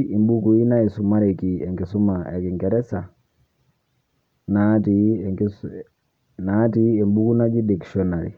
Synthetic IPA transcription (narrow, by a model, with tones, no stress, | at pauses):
i˨mbu˦ku˨i˦na˦i˨su˨ma˦ɾi˨ki˨ɛ˨ŋɡi˨su˦maa˨ki˨ŋɡɛ˨ɾɛ˦sa˨ | na˦ti˨ | naː˦ti˦e˨mbu˦ku˦na˦d͡ʒi˦di˨ksiɔ˦na˨ɾḭ˨